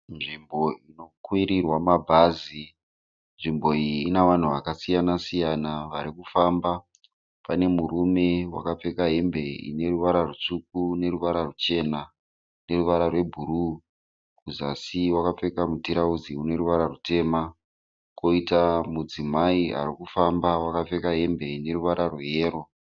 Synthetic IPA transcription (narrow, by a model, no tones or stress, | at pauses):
nʐimbo̞ino̞kwiɾirwamabʱazi | nʐimbo̞iiːnaʋan̤uʋakasijanasijanaʋaɾikufamba | pane̞muɾume̞wa̰kap͡fe̞kaɦembe̞ḭne̞ruʋaɾarut͡ʂuk̚une̞ɾuʋaɾarut͡ʃe̞na | ne̞ruʋaɾarwe̞bʱuɾu | kuzasiwakap͡fe̞kamutiɾauziune̞ɾuʋaɾarute̞ːma | ko̞itamud͡zimaia̰rikufambawakap͡fe̞kaɦe̞mbe̞ine̞ruʋaɾarweje̞ːro̞